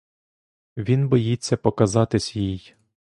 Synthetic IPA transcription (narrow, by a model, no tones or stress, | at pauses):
ʋʲinbɔjit͡sʲːɐpɔkɐzɑt̪ɪsʲjij